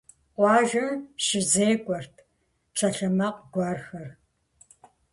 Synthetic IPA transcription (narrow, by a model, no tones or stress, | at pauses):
qʷɑːʒɨmʃɪzeːkʷʼɔrtʰ | ʈ͡ʂʰɐɬɐmɐqɡʷɑːrxɐr